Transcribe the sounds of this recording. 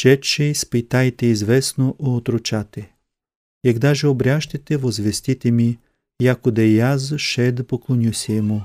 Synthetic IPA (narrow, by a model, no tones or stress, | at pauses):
ʃɛt̪ʃɛispit̪ajt̪ɛizvɛsnoʔoːt̪ɾot͡ʃat̪ɛ | jaɡd̪aʒɛobɾʲjaʃt̪ɐt̪ɛvozvɛst̪it̪ɛmi | jakod̪ɐjazʃɛd̪poklˠonʲusʲɛːmu